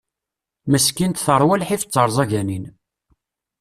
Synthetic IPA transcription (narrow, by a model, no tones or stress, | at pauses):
məskint̪θəɾˤwælħifə̥t͡sːəɾˤzˤɑʝænin